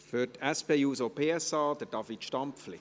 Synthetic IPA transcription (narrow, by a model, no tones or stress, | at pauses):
fytɛspeːjuːsopʰeːɛsɑːd̥əɾd̥ɑfitʃtɑmpflɪ